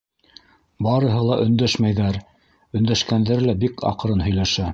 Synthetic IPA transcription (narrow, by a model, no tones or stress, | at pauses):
bɑɾɤ̆ɦɤlˠɑʔɵ̆nd̪æʃmæjðæɾ | ɵ̆nd̪æʃkænd̪æɾlæbikʰɑ̰qɤ̆ɾɤnɦɵ̆jlæʃæ